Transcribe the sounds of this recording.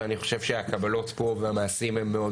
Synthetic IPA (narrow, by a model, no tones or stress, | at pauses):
aniχo̞̥ʃe̞vʃeakabalo̞tpo̞veamaːsimhemːeo̞d